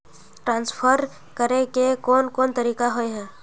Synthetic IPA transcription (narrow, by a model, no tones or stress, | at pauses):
ʈɾãːnspʰəɾ | kəɾekekoːnkoːnt̪əɾiːkaɦoeɦɛ̃ː